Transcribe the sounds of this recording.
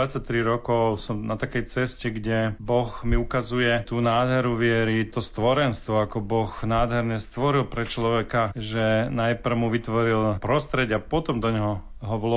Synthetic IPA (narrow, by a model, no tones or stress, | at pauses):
at͡sːac̚t̪ɾiɾɔkɔʊsɔmnat̪akɛjt͡sɛscɛɡɟɛbɔxmiukazujɛt̪uːnaːd̪ɦɛɾuʋɪɛɾit̪ɔst̪ʋɔɾɛnst̪ʋɔakɔbɔxnaːd̪ɦɛɾɲɛst̪ʋɔɾilpɾɛt͡ʃlɔʋɛkaʒɛnajpr̩muʋit̪ʋɔɾilpɾɔst̪ɾɛɟapɔt̪ɔmd̪ɔɲɛɦɔɦɔʋlɔ